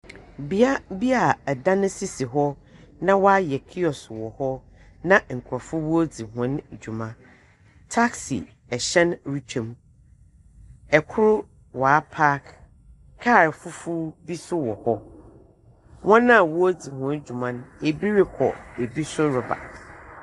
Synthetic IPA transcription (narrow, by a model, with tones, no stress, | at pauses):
bi˦a˦bi˦a˨da˦nʊ̃˦si˦si˨ɦɔ˦ | nã˦wɔ˦a˦jɛ˨kʰi˦ɔ˨swɔ˨hɔ˦ | nã˦ŋ̩˨kʰʊ˨ɾɔ˨fʊ˦wo˦d͡zi˨ɦʊ̃˨˦n˨d͡ʑu˨mã˨ | tʰa˦ksḭ˨ | ɛ˨ɕɛ̃˦nɾi˦t͡ɕʰᶣã˨m | ɛ˨kʰʊ˦ɾʊ˦ | wa˨a˦pʰa˦k | kʰːa˦˨ɾfʊ˦fu˦bi˦sʊ˦wɔ˨hɔ˦ | wɔ̃˦nã˦˨wɔ˦o˦d͡zi˨hʊ̃˨˦n˦d͡ʑu˨mã˦n˦e˨bi˦ɾɪ˦kʰɔ̰˨e˨bi˦sʊ˦ɾʊ˨ba̰˨